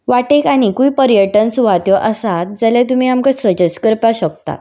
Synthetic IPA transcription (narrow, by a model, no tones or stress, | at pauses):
ʋaʈekaɽ̃ikujpəɾjəʈənsuʋat̪jɔʔəsat̪̚d͡zaljat̪̬um̤iamkasəd͡ʑəskəɾpaɕək̚t̪a̰